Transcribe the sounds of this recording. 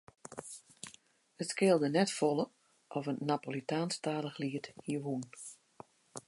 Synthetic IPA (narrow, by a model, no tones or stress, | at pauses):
ətskɪːlˠdənɛtfɔlˠə | ʔɔfənnapolitʰaːnstaːləxliəthiəɦun